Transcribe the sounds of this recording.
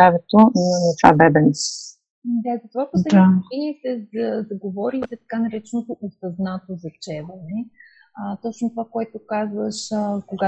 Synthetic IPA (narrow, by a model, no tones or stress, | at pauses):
avɛt̪ot̪va̰bɛbɛn | d̪azɐt̪ovapod̪ioʃɛniːt̪ɛzɐzɐɡovɔɾizɛt̪ɐ̥kanɐɾɛt͡ʃɛnot̪oʔʊsɐznat̪ozɐft͡ʃɛvɐnɛ | ət̪ɔt͡ʃnot̪ovakoɛt̪okazvəʃəkoɡa